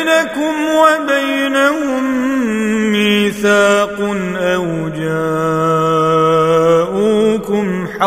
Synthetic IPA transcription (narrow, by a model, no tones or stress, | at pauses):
nakʊmwabajnahʊmː | iːθaːqʊnʔaw | d͡ʒa | ʔuːkʊmħa